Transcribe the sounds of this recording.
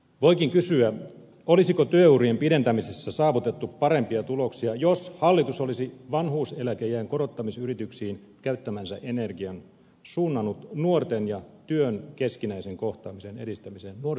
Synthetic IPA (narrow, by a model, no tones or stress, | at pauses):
ʋo̞ikiŋkysyæ | olisikot̪yøuriempide̞nt̪æmisesːæsɑːʋut̪et̪ːuppɑɾe̞mpiɑt̪ulo̞ksiɑjoshɑlːit̪usolisiʋɑnɦuːselækejæːŋkoɾot̪ːɑmisyrit̪yksiːn | kæyt̪ːæmænsæʔene̞rɡiɑn | suːnːɑnut̪nuort̪enjɑt̪yønkeskinæiseŋkoht̪ɑːmisenḛdist̪æmisennuo